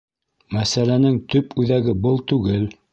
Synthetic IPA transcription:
mæsælænɘŋt̪ɵpʉðæɡɘbɤlˠt̪ʉɡɘl

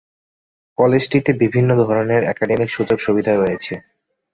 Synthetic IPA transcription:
kɔlesʈit̪ebibʱinːod̪ʱɔɾoneɾɛkaɖemikʃud͡ʑoɾʃubid̪ʱaeɦojet͡ɕʰe

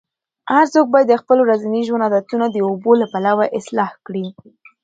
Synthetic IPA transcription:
haɾsok̚bɑjad̪ːəxpəloɾazaniʒwand̪ɑd̪ɑt̪unad̪əobolapalawaʔɪslɑhkɽi

